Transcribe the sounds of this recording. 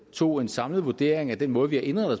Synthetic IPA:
t͡sʰo̝̰ːe̝nsɑ̈mləð̩ˠʋud̥e̝ɐ̰eŋæd̥enmɔ̽ːðˠʋihɑ̈ʔe̝nd̥ʁɐðˠɒ

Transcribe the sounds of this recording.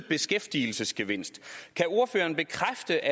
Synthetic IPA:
b̥e̝sɡ̥efd̥il̩səsɡ̥e̝ʋe̝n̰sd̥kʰæo̝ɐfø̰ːɐn̩b̥e̝kʰʁafd̥əʔæ

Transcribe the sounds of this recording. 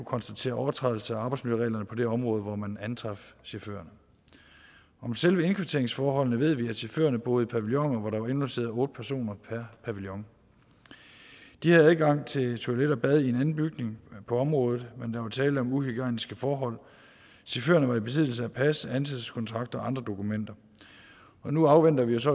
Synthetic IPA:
ukʰɒ̽nsd̥æt͡sʰe̝̰ːɐʔɒʊɐt͡sʰʁɑðˠlsəæɑ̈ːbɑ̈ɪdsmiləʁɛ̰ːlɐnəpʰɒ̽d̥e̝ɒ̽mʁɔ̽ːð̞̩ˠʋɒmænænt͡sʰʁɑ̈fɕefø̰ːɐnə | ɒ̽mselʋəe̝nkʰʋet͡sʰe̝ɐeŋsfɒːɦɒ̽l̰nəʋe̝ð̞̰ˠʋiæd̥ɕefø̰ːɐnəb̥ɔ̽ːð̞̩ˠəpʰæʋiljɒ̽ŋɒʋɑ̈ɾ̥ɑ̈ʋɑ̈e̝nolse̝̰ːɐðˠɔ̽ːd̥əpʰæɐso̝̰ːnɐpʰæɐpʰæʋiljɒ̽ŋ | d̥ihæð̩ˠæðˠɡ̥ɑ̈ŋ̰t͡sʰe̝lt͡sʰoæleɾɐb̥ɛð̞ˠie̝nænn̩b̥yɡ̥ne̝ŋpʰɒ̽ɒ̽mʁɔ̽ːð̩ˠmend̥ɑ̈ʋɑ̈t͡sʰɛːləɒ̽muhyɡ̥ɛ̰nisɡ̥əfɒːɦɒ̽l̰ | ɕefø̰ːɐnəʋɑ̈ib̥e̝s̬ʰið̰ˠl̩səæpʰæsəænsʰeðˠskʰɒ̽nt͡sʰʁɑ̈ɡ̥̚d̥ɐɒ̽ʔɑ̈nd̥ʁɐd̥o̝kʰumen̰d̥ɐ | ɒ̽nuɑ̈ʊʋen̰d̥ɐʋijo̝s̬ɒ̽

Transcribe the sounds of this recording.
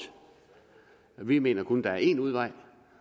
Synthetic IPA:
ʋime̝̰ːnɐkʰond̥ɑæɐe̝ːnuð̞ˠʋɑ̈ɪ̰

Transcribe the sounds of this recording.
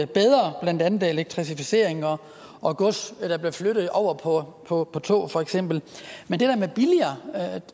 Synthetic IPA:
b̥eð̞ˠʁɐb̥læn̰d̥ænð̩ˠe̝leɡ̥̚t͡sʰʁisifise̝ɐ̰e̝ŋɒ̽ | ʔɒ̽ɡ̥ɔsd̥ɑ̈b̥le̝fløɾ̥ð̞̩ˠɒʊ̰ɐpʰɒ̽pʰɒ̽pʰɒ̽t͡sʰo̝̰ːfɒ̽eɡ̥sem̰b̥l̩mend̥e̝d̥æɐmeb̥iliɐ

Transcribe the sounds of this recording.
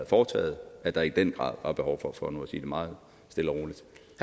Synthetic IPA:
ð̩ˠfɒːt͡sʰɛ̰ːð̩ˠæd̥ɑ̈id̥en̰ɡ̥ʁɑ̰̈ːð̰ˠʋɑ̈b̥e̝hɒʊfɒfɒ̽nuæsḭːd̥emɑ̈ːð̩ˠ | sd̥e̝lɐʁo̝ːlid̥ | h

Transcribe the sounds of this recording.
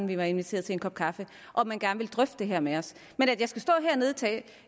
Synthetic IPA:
n̩ʋiʋɑ̈e̝nʋit͡sʰe̝̰ɐðˠt͡se̝enkɒ̽b̥̚kʰɑ̈fə | ʔɒ̽mænɡ̥æɐnʋeld̥ʁœfd̥d̥e̝ɦɛɐ̰meɒ̽s | menædjɑ̈ɪsɡ̥æsd̥ɔ̰ːɦɛɐne̝ð̞ˠt͡sʰɛ̰ː

